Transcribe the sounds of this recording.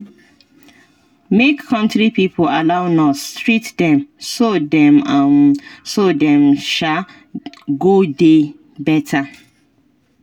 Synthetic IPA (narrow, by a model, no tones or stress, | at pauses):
mekʰːɔ̃ntɾipipʰoalaʊnɔstɹitdɛ̃msodɛ̃mãnsodɛ̃mʃa | ɡode | bɛtʰa